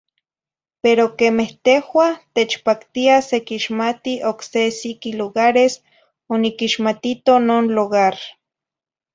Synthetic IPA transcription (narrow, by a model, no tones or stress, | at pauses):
peɾokemeht̪ehwat̪et͡ʃpakt̪iasekiʃmat̪iʔoksesikiluɣaɾes | onikiʃmat̪it̪onoːnluɣaɾ